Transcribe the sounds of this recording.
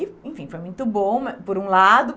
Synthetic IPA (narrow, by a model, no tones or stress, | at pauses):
ɪẽfĩfojmũj̃t̪ʊbõw̃mpoɾũlad̪ʊ